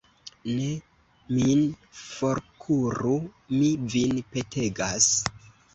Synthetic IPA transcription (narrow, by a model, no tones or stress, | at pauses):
ne̞ | minfo̞ɾkʰuɾu | mivinpe̞tʰe̞ɡas